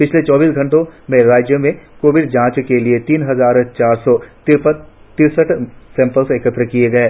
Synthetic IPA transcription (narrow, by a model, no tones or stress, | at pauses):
pɪt͡ʃʰlet͡ʃɔːbiːsɡʱɐ̃ɳʈõmẽɾaːd͡ʒjəmẽkoːʋɪɖd͡ʒãːt͡ʃkeliet̪iːnɦɐzaːɾt͡ʃaːɾsɔt̪ɪɾpə | t̪ɪɾsəʈsɛ̃ːmpəlsekət̪ɾəkieɡɐeː